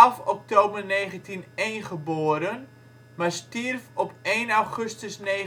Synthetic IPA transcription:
afɔk̚toːbərneːχəntʰinejnχəboːəɾən | marstirfɔpeːnawχøstəsne

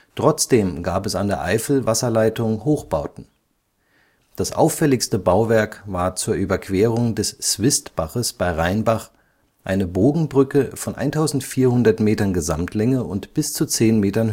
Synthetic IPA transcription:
tʁ̥ɔt͡sd̥eːmɡaːpɛsandeːɐʔa̰ɪfl̩vasɐlaɪtʊŋhoːxb̥aʊtn̩ | d̥asʔa̰ʊfːɛlɪçstəbaʊvɛɐkvaːɐt͡suːɐʔyːbɐkʰv̥eːʁ̞ʊŋdɛsːv̥ɪstb̥aχəsb̥aɪʁaɪnbaχ | ʔaɪnəboːɡŋ̩bʁʏkəfɔnʔa̰ɪntʰaʊzn̩tfiːɐhʊndɐtmeːtɐnɡəza̰mtʰlɛŋəʔʊntb̥ɪst͡sut͡seːnmeːtɐn

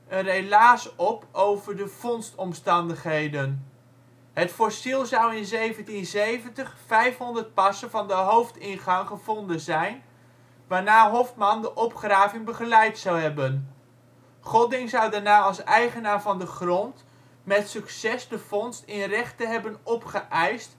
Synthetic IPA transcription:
ʔənrelaːsɔpowvəɹdəfɔnstɔmstɑndəχɦejdən | ɦətfɔɹsilˠzʌwɪnzejvəntinzejvəntəχfɛjfɦɔndəɹt̚pɑsənvɑndəɦowftɪnχɑŋχəvɔndənzɛjn | ʋaːɹnaːɦɔftmɑndəʔɔpχraːvɪŋbəχəlɛjtsɑwɦɛbən | χɔdɪŋzʌwdaɹnaːɑlˠsɛjχənaːɹvɑndəχrɔnt | mɛtsyksɛsdəfɔnstɪnrɛχtəɦɛbənɔpχəʔɛjst

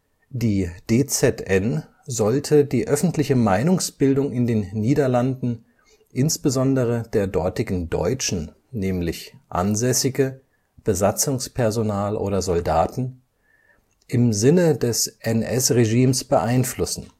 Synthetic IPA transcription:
d̥iːd̥eːt͡sɛtʔɛn | zɔltʰədiːʔœfn̩tʰlɪçəmaɪnʊŋsb̥ɪldʊŋɪndeːnːiːdɐlandn̩ | ʔɪnsb̥əzɔndəʁədeːɐdɔɐtɪɡn̩dɔ̰ʏt͡ʃn̩ | nɛːmlɪçʔa̰nzɛsɪɡə | b̥əzat͡sʊŋspʰɛɐzonaːlʔo̰ːdɐzɔldaːtn̩ | ʔɪmzɪnədɛsʔɛnʔɛsʁeʒiːmsb̥əʔaɪnflʊsn̩

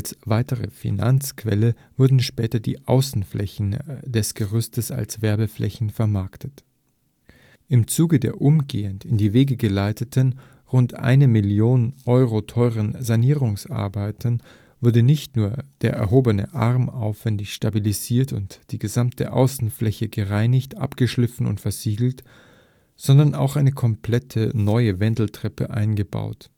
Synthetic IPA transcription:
alsv̥aɪtəʁəfḭna̰nt͡skv̥ɛlə | v̥ʊɐdn̩ʃpɛːtɐdḭːʔa̰ʊsn̩flɛçn̩dɛsɡ̥əʁʏstəsa̰lsv̥ɛɐbəflʔɛ̰çn̩fɛɐmaɐktʰət | ʔɪmt͡suːɡədeːɐʔʊmɡḛːəntɪndiːveːɡəɡəlaɪtʰətʰən | ʁʊntʔa̰ɪnəmɪljoːnənʔɔʏʁotʰɔʏʁənzaniːʁ̞ʊŋsʔa̰ɐbaɪtʰən | v̥ʊɐdənɪçtnuːɐd̥eːɐʔɛ̰ɐɦoːbənə̰ʔaʁma̰ʊfv̥ɛndɪçʃtabiliziːɐtʊ̰ntd̥iːɡəzamtʰəʔa̰ʊsn̩flɛçəɡəʁaɪnɪçtʔa̰pɡ̥əʃlɪfn̩ʊ̰ntfɛɐziːɡl̩t | z̥ɔndɐna̰ʊxʔaɪnəkʰɔmpʰl̥ɛtʰənɔʏəvɛndl̩tʁ̥ɛpə̰ʔa̰ɪnɡəba̰ʊt

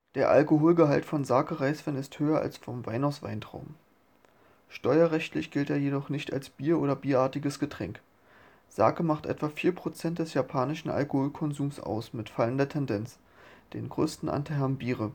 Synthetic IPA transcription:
d̥eːɐʔa̰lkoɦoːlɡəɦaltfɔnzaːkəʁaɪsv̥ɛnɪsthøːɐʔa̰lsfɔmvaɪnaʊsv̥a̰ɪntʁ̥aʊm | ʃtɔʏɐʁɛçtlɪçɡ̥ɪlteːɐjedɔχnɪçta̰lsb̥iːɐʔoːɾɐbiːɐʔaːɐtɪɡəsɡ̥ətʁ̥ɛŋk | z̥a̰ːkəmaχtʔɛ̰tv̥aːfiːɐpʁ̥ot͡sɛnt̚d̥ɛsjapʰaːnɪʃn̩ʔa̰lkohoːlkʰɔnzuːmsʔa̰ʊsmɪtfaləndɐtʰɛndɛnt͡s | d̥ḛːnɡʁø̰ːstn̩ʔa̰ntʰaɛmbiːʁə

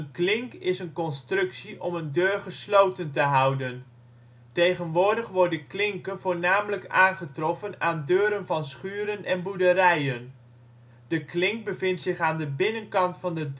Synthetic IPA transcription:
ənklɪŋkɪsənkɔnstrɵksiʔɔməndøːɹχəslowtəntəɦʌwdən | tejχənʋʊːɹdəχʋɔɹdəklɪŋkənvʊːɹnaːmələkaːnχətrɔfənaːndøːɾənvɑnsχyːɾənʔɛnbudəɾɛjən | d̥əklɪŋk̚bəvɪntsɪχaːndəbɪnənkɑntfɑndə

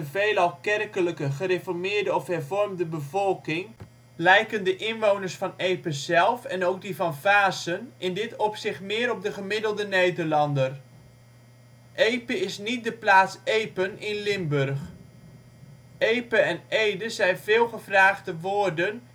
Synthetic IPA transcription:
əveːləɑlˠkɛrkələkəχəɾefɔɹmɪːrdəɔfɦɛrvɔrmdəbəvɔlˠkɪŋ | lɛjkəndəʔɪnʋownəɹsfɑnejpəzɛlˠfɛnowɡ̚divɑnvaːsənɪndɪtɔpsɪχtmɪːɾɔp̚dəχəmɪdəlˠdənejdərlɑndər | ʔejpəɪsnit̚dəplaːtsejpənɪnlɪmbørχ | ejpəɛnejdəzɛjnvɪːlˠχəvraːχdəʋʊːrdən

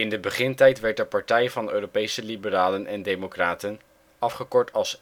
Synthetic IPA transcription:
ɪndəbəχɪntɛjtʋɛɹtəɹpɑɹtɛjvɑnøːropejsəlibəraːlənʔɛndejmokraːtən | ɑfχəkɔɹtʰɑlˠs

